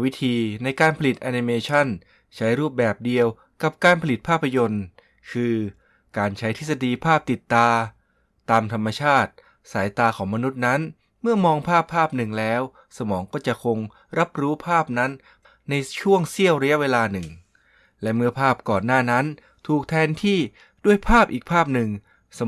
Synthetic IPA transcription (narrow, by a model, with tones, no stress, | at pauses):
wi˦˥t̪ʰiː˧na˧jkaː˧npʰa˧li˨˩t̪̚ʔa˧ni˧meː˧t͡ɕʰa˥˩n | t͡ɕʰa˦˥jɾuː˥˩p̚bɛː˨˩p̚di˧əw | ka˨˩p̚kaː˧npʰa˧li˨˩t̪̚pʰaː˥˩pʰːa˧jo˧n | kʰɯː˧ | kaː˧nt͡ɕʰa˦˥jt̪ʰi˦˥t̪̚sa˧diː˧pʰaː˥˩p̚t̪i˨˩t̪ːaː˧ | t̪aː˧mt̪ʰa˧mːa˧t͡ɕʰaː˥˩t̪̚ | saː˩˦jt̪aː˧kʰɔː˩˦ŋma˧nu˦˥t̪̚na˦˥n | mɯ˥˩ɐmɔː˧ŋpʰaː˥˩pʰːaː˥˩p̚nɯ˨˩ŋlɛː˦˥w | sa˧mɔː˩˦ŋkɔː˥˩t͡ɕa˨˩ʔkʰo˧ŋ | ɾa˦˥p̚ɾuː˦˥pʰaː˥˩p̚na˦˥n | na˧jt͡ɕʰu˥˩əŋsi˥˩əwɾa˧ja˦˥ʔweː˧laː˧nɯ˨˩ŋ | lɛ˦˥ʔmɯ˥ɐpʰaː˥˩p̚kɔː˨˩nːaː˥˩na˦˥n | t̪ʰuː˨˩k̚t̪ʰɛː˧nt̪ʰiː˥˩ | du˥˩əjpʰaː˥˩p̚ʔiː˨˩k̚pʰaː˥˩p̚nɯ˨˩ŋ | sa˧